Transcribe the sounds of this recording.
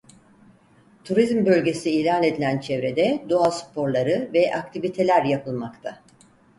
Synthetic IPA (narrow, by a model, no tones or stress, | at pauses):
t̪ʰuɾizmbølʲɟe̞siːlʲaːne̞d̪ilʲænt͡ʃʰevɾe̞d̪ɛd̪oaspʰo̞ɾlˠaɾɯvɛʔak̚t̪ʰivit̪ʰe̞lʲæɾjapʰɯlˠmakt̪ʰa